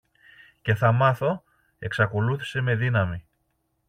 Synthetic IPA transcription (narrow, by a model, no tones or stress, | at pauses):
ce̞θɐmɐθo̞ | e̞ksɐko̞luθi̥se̞me̞ðinɐmi